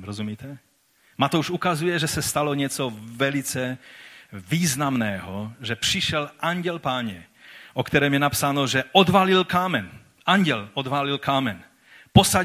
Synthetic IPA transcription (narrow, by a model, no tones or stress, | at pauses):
ɾɔzumiːt̪ɛ | mat̪ɔuʃukazujɛʒɛsɛst̪alɔɲɪɛt͡sɔvɛlit͡sɛ | viːznamnɛːɦɔʒɛpr̝̥iʃɛlʔaɲɟɛlpaːɲɛ | ʔɔkt̪ɛɾɛːmjɛnapsanɔʒɛʔɔd̪ʋalilkaːmɛn | aɲɟɛlɔd̪ʋaːlilkaːmɛn | pɔsa